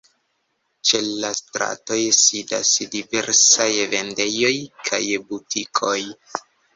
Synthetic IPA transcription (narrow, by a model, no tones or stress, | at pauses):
t͡ʃe̞lastɾa̰to̞jsida̰sdive̞ɾsajve̞nde̞jo̞jkʰa̰jbutikʰo̞j